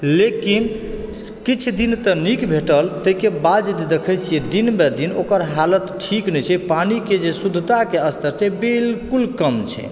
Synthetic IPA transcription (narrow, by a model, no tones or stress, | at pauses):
lekin | kit͡ʃʰd̪int̪ənikbʱeʈəlt̪əɦikebad͡ʒd̪id̪ekʰɛjt͡ʃʰijɛd̪inmed̪inokəɾɦalət̪ʈʰiknɛt͡ʃʰɛpaniked͡ʒesud̪ʱət̪akeəst̪ʰəɾt͡ʃʰɛbilkulkəmt͡ʃʰɛ̰